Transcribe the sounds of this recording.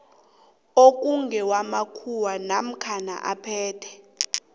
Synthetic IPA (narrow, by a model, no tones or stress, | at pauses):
ok̬ʼuŋɡɛwamakʰuwanam̩kʰana̰ʔapʰɛːtʰɛ̥